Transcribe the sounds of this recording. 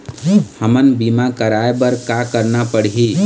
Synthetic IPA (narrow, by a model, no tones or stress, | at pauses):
həmənbimakəɾaebəɾkakəɾnapəɽɦi